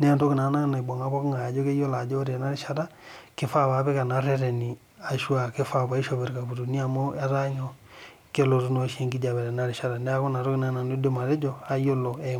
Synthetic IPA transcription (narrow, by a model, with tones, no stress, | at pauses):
nɛ˦a˦˨to˦kɪ˨na˨˦na˦na˨bɔ˨ŋa˦βɔ˦kŋa˨d͡ʒo˦ke˦jo˦la˨d͡ʒo˦ɾe˨na˦ɾi˨ʃa˦ɾa˦ke˦fa˦βa˨˦βɛ˦ka˨na˦ɾɛ˦ɾɛ˨ni˨ | a˨ʃu˦a˨ke˦fa˦βa˨˦i˦ʃo˨βe˨ɾka˨bu˨ɾu˨ni˦a˨mo˦a˦ɾa˦ɲo˨ | ke˦lo˨ɾu˦no˦ʃi˦ŋɡi˦d͡ʒa˨βɛ˨ɾe˨na˦ɾi˨ʃa˦ɾa˨nɛ˦a˦ko˦na˨ɾo˦kɪ˨na˦na˨nu˦de˦ma˨ɾe˦d͡ʒo˨a˦jo˦lo˨ɛ˨